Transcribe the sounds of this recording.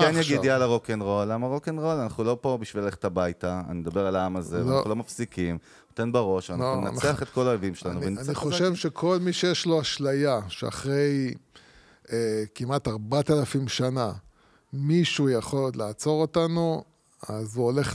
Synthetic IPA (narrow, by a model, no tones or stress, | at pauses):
kenjaɡidialaʁokenʁo̞lːamaʁokenʁolanaχulo̞pobiʃvilaleχe̥tabajtaa̰nimed̪abe̞ʁalaamazevaaχulo̞mafsikim | ut̪enbaʁo̞ʃvanauna̰neaχet̪ko̞laoevimʃelanuvenaniχoʃevʃe̞kʰo̞lmiʃejeʃloaʃlajaʃea̰χʁe̞j | ekimataʁbat̪alafimʃana | miʃujaχo̞llaːt͡so̞ʁo̞tanu | azuole̞χ